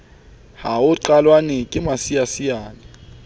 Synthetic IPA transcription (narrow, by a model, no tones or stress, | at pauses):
haʊǃalwanɛkʼɪmasijasiaːnɛ